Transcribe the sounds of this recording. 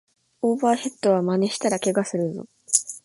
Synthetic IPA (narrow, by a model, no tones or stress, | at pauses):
oːbaːhe̞t̪ːo̞β̞amane̞ɕi̥t̪aɾake̞ɡasɨɾɯ̟zo̰